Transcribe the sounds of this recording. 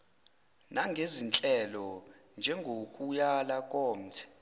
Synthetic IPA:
naŋɡʱezint͡ɬʼɛlɔ | nd͡ʒʱɛŋɡʱokʼujalakʼɔːm̩t͡sʰɛ̥

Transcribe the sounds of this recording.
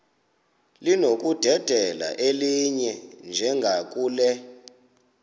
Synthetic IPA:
linok̬ʼud̥ʱɛd̥ʱɛla̰ʔeliɲɛnd͡ʒʱɛŋɡʱak̬ʼuːlɛ

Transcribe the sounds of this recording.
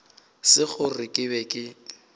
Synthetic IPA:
sɪk͡xʊrɪkʼɪbɛkʼɪ

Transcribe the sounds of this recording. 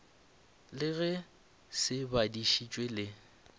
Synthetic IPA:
lɪɣɛ | sɪbadiʃit͡ʃʼwelɪ

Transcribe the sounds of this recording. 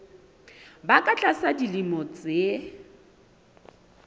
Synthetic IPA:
bakʼat͡ɬʼasadilimɔt͡sʼe

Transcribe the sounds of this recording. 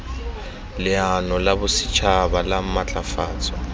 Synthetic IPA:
lɪanɔlabʊsɪ̥t͡ʃʰabalamat͡ɬʼafaːt͡sʼɔ̥

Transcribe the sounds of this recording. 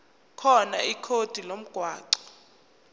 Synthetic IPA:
kʰɔna̰ikʰod̥ʱilom̩ɡ̥ʱwaːǀɔ̥

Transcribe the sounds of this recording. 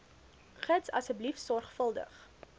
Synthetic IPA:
χətsɐ̰səblifsɔrχfəlˠdə̰χ

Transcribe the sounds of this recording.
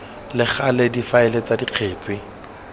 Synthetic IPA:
lɪχalɪdifaɪlet͡sadiq͡χʰeːt͡sɪ

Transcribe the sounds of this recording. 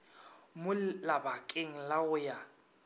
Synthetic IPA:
mʊlabakʼeŋ̩laʊja

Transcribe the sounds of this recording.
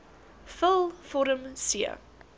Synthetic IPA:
fəlˠfɔɾəmsiə̰

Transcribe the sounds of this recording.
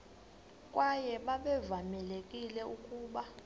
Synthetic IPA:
kʼwajɛɓaɓɛvamɛlekʼilɛukʼuːɓa

